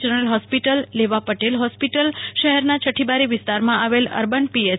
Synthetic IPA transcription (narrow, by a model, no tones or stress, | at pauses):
d͡ʒənəɾəlɦɔspiʈəlːeʋapəʈelɦɔspiʈəlʃəɦɛɾnat͡ʃʰəʈʰibaɾiʋɪst̪aɾmãʔaʋelə̰ɾbənpie